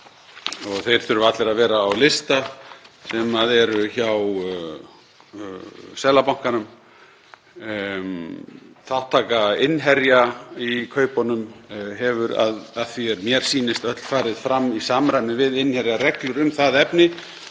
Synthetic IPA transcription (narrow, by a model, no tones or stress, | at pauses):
ɔɣθejɾ̥θʏɾʏvat̪lɛɾaðvɛːɾaːwlɪst̪asɛmaðɛɾʏçaw | sɛlapawŋ̥kanʏm | θawht̪ʰːaːkaɪnɦɛɾjaikʰœːɥpɔnʏmɦɛvʏɾa̰ðaðθiɛɾmjɛɾ̥siːnɪst̪œt̪l̥faːɾɪð̥fɾamːisamɾajnɪvɪðɪnhɛɾjaɾɛklʏɾʏmθaðɛpnɪ